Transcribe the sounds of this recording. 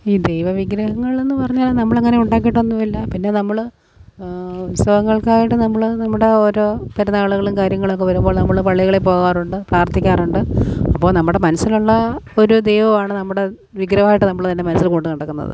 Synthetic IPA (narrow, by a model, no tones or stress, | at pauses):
iːd̪ejʋɐʋiɡɾɐɦɐŋːɐɭe̞nːɨpɐrɐɲːaːlnɐmːɐɭɐŋːɐne̞uɳɖaːk̬ːiʈːonːuʋilːɐpinːe̞nɐmːɐɭ | ut̪sɐɣɐŋːɐɭkaːjiʈːɨnɐmːɐɭnɐmːuɽe̞oːɾo̞ːpɐɾɐnaːɭuɣɐɭumkaːɾjɐŋːɐɭokːeʋɐɾumbo̞ːɭnɐmːɐɭpɐɭːiɣɐɭepo̞ːɣaːruɳɖɨpraːrt̪ikʲːaːruɳɖɨɐpːo̞ːɭnɐmːuɽe̞mɐnɐsːiluɭːɐoɾud̪ejʋɐʋaːɳɨnɐmːuɽe̞ | ʋiɡɾɐhaːjiʈːɨnɐmːɐɭt̪ɐnːe̞mɐnɐsilkoːɳɖunɐɽɐkːunːɐ̰ðɨ̰